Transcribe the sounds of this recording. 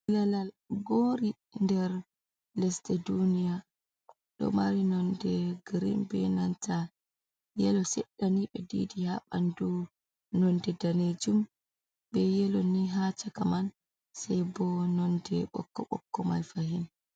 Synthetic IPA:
lalal | ɡoɾi | ndɛɾ | lɛstɛdunija | ɗɔ̰maɾinɔndɛɡɾḭmbɛnantʰa | jɛlɔsɛɗːaniɓɛdḭdihaɓa̰ndu | nɔndɛdaned͡ʒum | bɛjɛlɔniɦat͡ʃakaman | sajbɔnɔndɛɓɔ̰kːɔɓɔ̰kːɔma̰jfahin

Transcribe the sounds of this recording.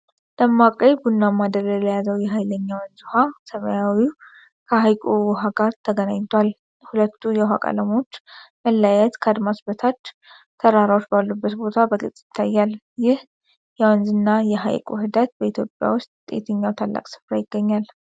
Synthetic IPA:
ləmːakʼəjbunːamːad̪əɾələjazəwjɛɦajləɲːawɨnzuhasəməjawi | kʰəɦajkʼuwɦaɡaɾt̪ʰəɡənaɲt̪ʰwal | hulət̪ʰːujɛɦakʼa̰ləmo̞t͡ʃːməlːajɛt̪kʰəad̪masbət̪ʰat͡ʃː | t̪ʰəɾaɾawot͡ʃːbalːubːət̪bo̞t̪ʰabəɡɨ̰t͡sʼːjɪt̪ʰːajːal | jɪh | jɛwənzɨnːajɛɦa̰jkʼṵɦɨd̪at̪̚bəit̪ʰjopʼːja̰wʊst̪̚t̪ʼḛt̪ʰəɲːawt̪ʰalːa̰kʼsɨ̥fɾajɪɡːəɲːal

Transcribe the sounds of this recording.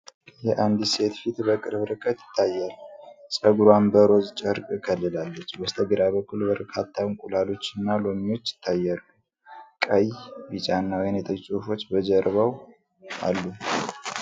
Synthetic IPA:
jɛʔand̪ɨse̞t̪fit̪bəkʼɨɾbɨɾɨkʼːət̪jɪ̥t̪ʰːajːalːusʼəɡuɾwanbəɾo̞zt͡ʃʼəɾkʼkʰəlːɨlalːət͡ʃːbəst̪ʰəɡɨɾaβəkʰːulbəɾkʰat̪ʰːawnkʼulalo̞t͡ʃːɨnːalo̞mio̞t͡ʃːjɪ̥t̪ʰːajːalːu | kʼəjbit͡ʃʼanːawjnjɛt̪ʰəjsʼufo̞t͡ʃːbəd͡ʒəɾβaw | ʔa̰lːu

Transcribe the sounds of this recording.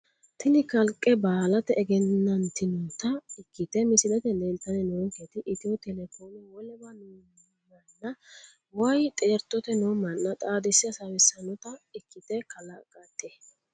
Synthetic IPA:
t̪ʰɪnɪkɐlkʼːɛbaːlɐt̪ɛːɡɛnːɐnt̪ɪnɔt̪ɐɪkːɪt̪ɛmɪsɪlɛt̪ɛlɛlt̪ːɐnɛnoŋket̪ɪʔɪt̪ɪwɔt̪ɛlɛfoːnɔwɔlɛbɐnu | mɐnːɐ | wjt̪ʼeːɾt̪ːɔt̪ɛnoːmɐnːɐt̪ʼaːd̪ɛsːɪɐsawɛsɐnɔt̪ɐɪkʰːɪt̪ɛkʰɐlɐkʼːɐt̪ːe

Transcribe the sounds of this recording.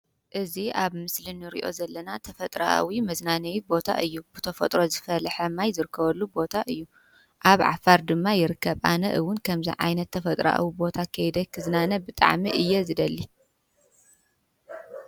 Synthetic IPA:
ʔɨziaβmɨslinɨɾḭʔo̞̰zɐlːɐnat̪ʰɐfɐt̪ʼɾa̰ʔa̰wimɐznanɐwibo̞t̪ʰa̰ʔɨjːub̥ɨt̪ʰɐfɐt̪ʼɾo̞zɨfɐlħɐmajzɨɾɨkʰːɐβɐlːubo̞t̪ʰaʔɨjːu | ʔaβʕa̰faɾd̪ɨmːajɪɾɨkːɐβʔa̰nɐ̰ʔɨwːʊnkʰɐmzḭʕa̰jnɐt̪ʰːɐfɐt̪ʼɾa̰ʔa̰wibo̞t̪ʰakʰɐjd̪ɐkʰɨznanɐbɨt̪ʼa̰ʕmiʔɨjːɛzɨd̪ɐlːi

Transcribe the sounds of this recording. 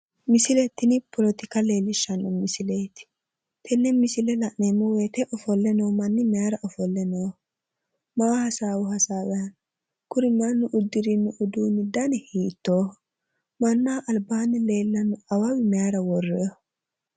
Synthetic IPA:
mɪsɪlɛt̪ːɪnɪpɔlɔt̪ɪkɐle̞ːlːɪʃːɐnːɔmɪsɪleːt̪ɪ̥ | t̪ʰɛnːɛmɪsɪlɛlɐʔneːmːɔweːt̪ɛʔɔfɔlːɛnoːmɐnːɪmɛaɾɐʔɔfɔlːɛnoː | maːhɐsaːwʊɦɐsaːwɛhɐn | kʊɾɪmɐnːʊʔʊd̪ːɪɾinːʊʔʊd̪uːnːɪd̪ɐnɛhiːt̪ːoː | mɐnːaːʔɐlbaːnɪleːlːɐnʊɐwɐwɪmɛjaɾɐwɔrːɛjɔ

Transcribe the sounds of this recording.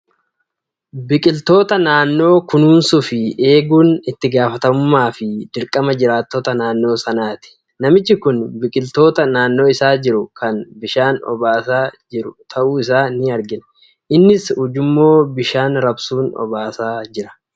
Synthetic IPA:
bɪkʼɪlt̪o̞ːt̪ɐnaːnːo̞ːkʊnuːnsʊfɪe̞ːɡuːnɪt̪ːɪɡaːfɐt̪ɐmʊmːaːfɪd̪ɪɾkʼːɐmɐd͡ʒɪɾaːt̪ːoːt̪ɐnaːnːo̞ːsɐnaːt̪ɪ̥ | nɐmɪt͡ʃːɪkʊnbɪkʼɪlt̪o̞ːt̪ɐnaːnːo̞ːɪsaːd͡ʒɪɾʊkʰɐnbɪʃaːnɔ̰baːsaːd͡ʒɪɾʊt̪ʰɐʔuːɪs̬aːnɪɐɾɡɪnɐ | ʔɪnːɪshʊd͡ʒʊmːo̞ːbɪʃaːnɾɐbsuːnɔ̰baːsaːd͡ʒɪɾɐ̥

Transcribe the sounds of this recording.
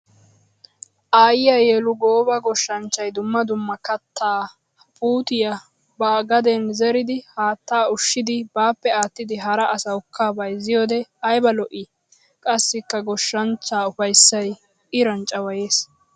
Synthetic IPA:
ʔaːjɪjɐjeːlʊɡoːbɐɡɔʃːɐnt͡ʃːɐjd̪ʊmːɐd̪ʊmːɐkɐt̪ːaː | pʼuːt̪ɪjɐ | baːɡɐd̪ɛnzɛɾɪd̪ɪhaːt̪ːaːʊʃːɪd̪ɪbaːpːɛaːt̪ːɪd̪ɪɦɐɾɐʔɐsɐʊkʰːaːbɐjzɪjoːd̪ɛɐjbɐlɔʔɪ | kʼɐsːɪkːɐɡɔʃːɐnt͡ʃːaːʊfɐjsːɐj | ʔɪɾɐnt͡ʃʼɐwɐjeːs

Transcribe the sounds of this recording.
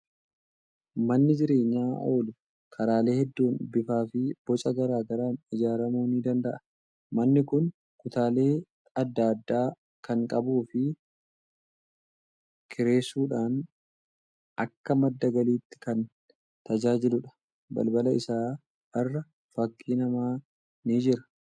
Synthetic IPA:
mɐnːɪd͡ʒɪɾe̞ːɲːaːʔo̞ːlʊ | kʰɐɾaːle̞ːhɛd̪ːuːnbɪfaːfɪb̥ɔt͡ʃʼɐɡɐɾaːɡɐɾaːnɪd͡ʒaːɾɐmuːniːd̪ɐnd̪ɐʔɐ̥ | mɐnːɪkʊn | kʊt̪aːle̞ː | ɐd̪ːɐɐd̪ːaː | kɐŋkʼɐbuːfɪ | kʰɪɾe̞ːsuːᶑaːn | ʔɐkːɐmɐd̪ːɐɡɐliːt̪ːɪ̥kɐn | t̪ɐd͡ʒaːd͡ʒɪlʊᶑɐ̥ | bɐ̰lbɐlɐɪsaː | ɐrːɐ | fɐkʼːiːnɐmaː | niːd͡ʒɪɾɐ̥

